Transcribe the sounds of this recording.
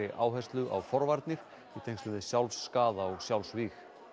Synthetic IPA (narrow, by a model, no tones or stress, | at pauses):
ɪʔa̰ːwɦajst̪lʏʔa̰wfɔɾvaɾt̪nɪɾ | it̪ʰejŋkslʏnðɪsjawlsːkaːðaɔɣsjawlsviːx